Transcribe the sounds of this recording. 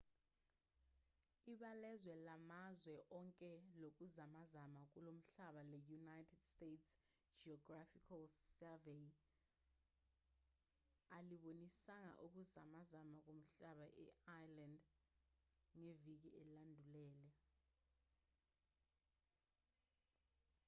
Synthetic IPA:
iɓalɛzwɛlamazwɛʔɔŋkʼɛlok̬uzamazamak̬ulom̩ɬaɓalɛjunajtʰɛd̥stets | d͡ʒiɔɡrafikʰalsɛvej | aliɓonisaŋa̰ʔuk̬uzamazamak̬om̩ɬaɓaʔɛ̰ajland | ŋevik̬iʔeilandʱulɛːlɛ

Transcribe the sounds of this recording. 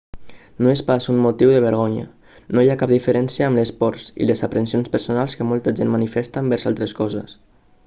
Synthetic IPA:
noespasummːut̪iwðəβəɾɣɔɲə̰ | nojakap̚d̪ifəɾɛnsiəːmləspɔɾsḭləzəpɾənsionspəɾsunalˠskəmɔlˠt̪əʒenmːanifɛst̪əmbɛɾzalˠt̪ɾəskɔzə̰s

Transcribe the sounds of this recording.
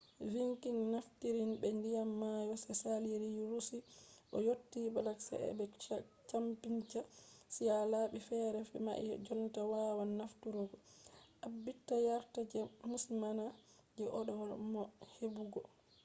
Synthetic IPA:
viŋkinːaftiɾinbɛndijamːajɔsɛsaliɾijuɾusiʔɔjotːibalaksa̰ɛ̰bɛ | t͡ʃampiɲt͡ʃasijalaɓifɛɾɛfɛma̰ʔḭd͡ʒɔntawawanːaftuɾɔɡɔʔabːitːajaɾtad͡ʒɛmusimana | d͡ʒɛʔɔɗɔwamɔhebuɡɔ

